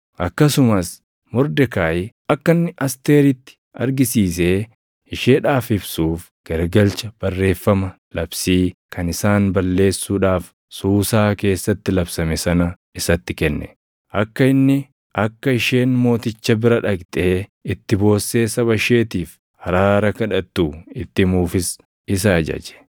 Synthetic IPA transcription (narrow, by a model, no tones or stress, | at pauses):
ʔɐkːɐsʊmɐs | mɔɾd̪ɛkaːɪ | ɐkːɐnːɪʔɐst̪e̞ːɾɪt̪ːɪ̥ | ɐ̰ɾɡɪsiːseː | ɪʃeːᶑaːfɪbsuːf | ɡ̥ɐɾɡɐlt͡ʃɐb̥ɐrːe̞ːfːɐmɐ | lɐbsiːkʰɐnɪsaːnbɐlːe̞ːsːuːᶑaːf | suːsaːke̞ːsːɐt̪ːɪlɐbsɐmɛsɐnɐ | ɪsɐt̪ːɪkɛnːɛ̰ | ʔɐkːɐɪnːɪ | ʔɐkːɐɪʃe̞ːnmo̞ːt̪ɪt͡ʃːɐbɪɾɐᶑɐɡt̪ʼe̞ːɪt̪ːɪbo̞ːsːe̞ːsɐβɐʃe̞ːt̪iːf | hɐɾaːɾɐkɐᶑɐt̪ːuːɪt̪ːɪmuːfɪs | ɪs̬ɐːd͡ʒɐ̰d͡ʒɛ̥